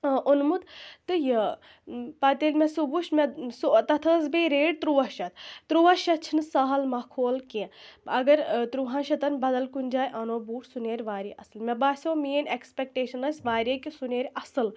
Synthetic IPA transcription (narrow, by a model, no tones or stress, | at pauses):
ʔunmut̪t̪ɨjɐ | pɐt̪elʲmʲesubuʃmesot̪ɐt̪ʰəːzbeːɾeːɖ̚t̪ɾuʋɐʃɐt̪t̪ɾuːʋɐʃɐt͡ʃʰinɨsɐɦɐlmɐkʰoːlkiɐɡɐɾt̪ɾuːɦãːnʃɐt̪ɐnbɐd̪ɐlkunʲd͡ʒaːjʔɐnoːbuːʈʰsuneːɾʲʋaːɾiʔɐsɨlmʲebaːsʲõːmiːnekspʲek̚ʈeːʃɐnɐsʲʋaːɾʲikisuneːɾʲɐsɨl